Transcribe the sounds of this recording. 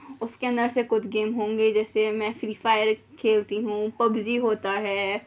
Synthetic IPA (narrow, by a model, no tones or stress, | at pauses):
ʊskeɐ̃nd̪əɾsekʊt͡ʃʰɡeːmɦõːŋɡed͡ʒɛːsemɛ̃ːfɾiːfaːɪəɾ | kʰeːlt̪iɦũpɐbziɦoːt̪aɦɛː